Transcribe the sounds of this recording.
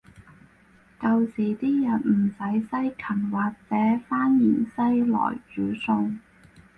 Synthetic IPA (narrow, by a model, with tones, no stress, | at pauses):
kɐ˧wsiː˨˩t̪iː˥jɐ˨nm̩˨˩sɐ˨˥jsɐ˥jkʰɐ˨˩nwaː˨k̚t͡sɛː˨˥faː˥njiː˨˩nsɐ˥jlɔ̰ː˨˩jt͡ʃyː˨˥sʊ˧ŋ